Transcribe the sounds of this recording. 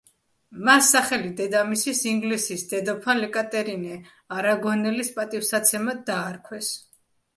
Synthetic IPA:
masːaχɛlid̪ɛd̪amisisiŋɡlisisd̪ɛd̪ɔpʰanlɛkʼat̪ʼɛɾinɛ | aɾaɡɔnɛlispʼat̪ʼifsat̪sʰɛmad̪aːɾkʰwɛs

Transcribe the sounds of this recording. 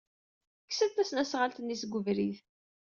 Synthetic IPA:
kːsəðθæsnæsʁalt̪ənːisɡʷəvɾið

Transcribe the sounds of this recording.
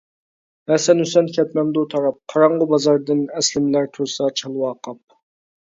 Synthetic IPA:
hɛsɛnysɛnkʲʰɛt̪mɛmd̪ut̪ʰɑɾɑp̚qʰɑɾɑɴʁʊbɑzɑɾd̪ɨnɛslɪmlæɾt̪ʰuɾsɑt͡ʃʰɑlˠwɑːqʰɑp̚

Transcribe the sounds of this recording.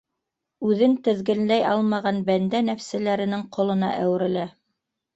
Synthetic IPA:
ʉðɘnt̪ɘ̆ðɡɘ̆nlæjɑlˠmɑʁɑnbænd̪ænæfsælæɾɘ̆nɘŋqŏlˠɤ̆nɑ̰ʔæwɘ̆ɾɘ̆læ

